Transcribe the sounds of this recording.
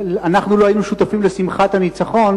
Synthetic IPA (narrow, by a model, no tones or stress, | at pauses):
anaχnuloainuʃut̪afimle̞simχat̪anit͡saχo̞n